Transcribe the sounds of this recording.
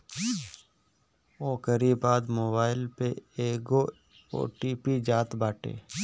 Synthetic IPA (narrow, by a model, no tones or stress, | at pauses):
oːkəɾibaːd̪moːbaːɪlpeeːɡo | o̰ːʈiːpid͡ʒaːt̪baːʈḛː